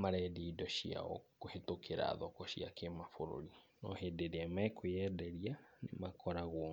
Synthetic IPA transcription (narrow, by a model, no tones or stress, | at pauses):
maɾɛdiiːdɔɕia̰ɔ̰kohetokeɾa̰ːðɔkɔɕia̰kemafoɾo̰ɾinɔhedeɾeamɛkojɛdɛɾianḛmakʰɔɾaɣwɔ